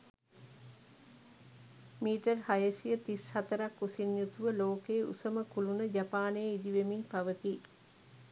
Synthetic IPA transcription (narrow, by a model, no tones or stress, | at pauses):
miːʈərhajəsijət̪ishɐt̪əɾakːusinjut̪uʋəloːkeːṵsəməkulunəd͡ʒapaːnejːid̪iʋemiɲpɐʋət̪i